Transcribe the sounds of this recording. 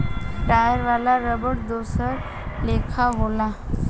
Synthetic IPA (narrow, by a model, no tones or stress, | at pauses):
ʈajəɾʋalaɾəbəʈd̪osəɾ | lekʰaɦola